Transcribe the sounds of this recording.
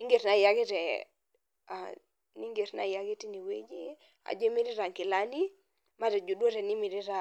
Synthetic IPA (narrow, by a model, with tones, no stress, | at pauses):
i˦ŋɡe˨ɾna˨ja˦ɡi˦ɾɛ˨ | a̰˨ | ni˦ŋɡe˨ɾna̰˨ja˨ɡi˦ti˦ni˨wḛ˦d͡ʒi˦ | a̰˨d͡ʒo˦mi˦ɾi˦ɾa˨ŋki˨la˦ni˦ | ma˦ɾɛ˨d͡ʒu˨dwo˦ɾɛ˨ni˦mi˨ɾi˦ɾa˦